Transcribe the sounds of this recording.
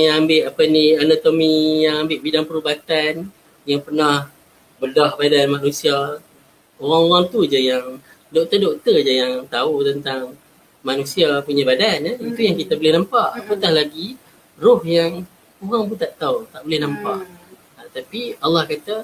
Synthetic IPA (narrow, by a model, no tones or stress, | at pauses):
ŋjaŋambɪʔapanianot̪omijaŋambɪʔbidaŋpəɾubat̪an | jaŋpərnah | bədahbadanmanũsia | oɾaŋoɣaŋt̪ud͡ʒəjaŋ | dok̚t̪ədoʔt̪əd͡ʒəjaŋt̪aut̪ənt̪aŋ | manusiapuɲabadanit̪ujaŋkit̪abolɪhnampaʔapat̪ahlaɡi | rʊhjaŋ | oɣaŋbut̪aʔt̪awt̪aʔbolɪhnãmpaʔ | at̪apialːɑhkat̪a